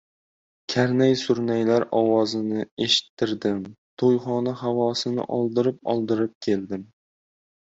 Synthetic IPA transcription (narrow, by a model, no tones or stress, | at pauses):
kʲʰaɾnajsʊɾnajlaɾɒwɒzɪnɪe̞ʃɪ̥t̪ʰːɪɾd̪ɪmt̪ʰojχɒnahavɒsɪnɪ̰ʔɒlˠd̪ɪɾɪp̚ɒ̰lˠd̪ɪɾɪp̚kʲʰe̞ld̪ɪm